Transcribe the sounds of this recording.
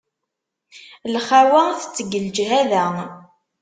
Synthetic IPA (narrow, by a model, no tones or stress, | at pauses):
lχawaθə̥t͡sːəɡəld͡ʒhæðæ